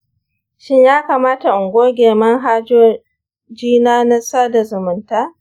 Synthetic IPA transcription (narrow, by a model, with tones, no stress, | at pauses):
ʃɪ˦ɲjaː˦kaː˨maː˦ta˨ʔʊ˨ŋɡʷoː˦ɡʲeː˨mɐ˦ŋɦaː˦d͡ʒoː˦ | d͡ʒiː˦naː˦na˦saː˦da˨zʊ˨mʊ˨ntaː˦